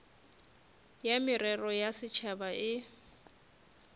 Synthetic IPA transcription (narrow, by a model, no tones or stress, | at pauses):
jamɪrɛrɔjasɪt͡ʃʰabaʔɪ